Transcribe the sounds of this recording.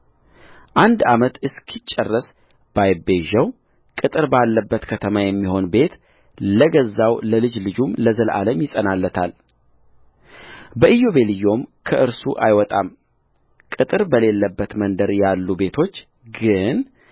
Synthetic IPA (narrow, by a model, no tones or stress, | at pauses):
ʔand̪amət̪ɨskʰit͡ʃʼːɛrːəs | b̥ajbe̞ʒəw | kʼɨt̪ʼɨɾbalːəbːət̪kʰət̪ʰəmajɛmːiho̞nbe̞t̪ | ləɡəzːawləlɨd͡ʒlɨd͡ʒumləzəlʔa̰ləmjɪsʼənalːət̪ʰal | bəʔijo̞βe̞lɨjo̞mkʰəʔɨɾsuʔa̰jwɔt̪ʼam | kʼɨt̪ʼɨɾbəle̞lːəbːət̪mənd̪əɾjalːube̞t̪ʰo̞t͡ʃː | ɡɨn